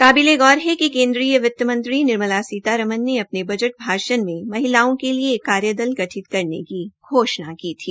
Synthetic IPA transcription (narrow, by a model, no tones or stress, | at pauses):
kaːbileɡɔːɾɦɛkikẽːnd̪ɾiːjəʋɪt̪ːəmə̃nt̪ɾinɪɾməlasiːt̪aɾɐmənːeɐpnebɐd͡ʒəʈ̚bʱaːʃənmẽmɐɦɪlaːõkeliekːaːɾjəd̪əlɡɐʈʰɪt̪kɐɾnḛkiɡʱoːʃnakiːt̪ʰiː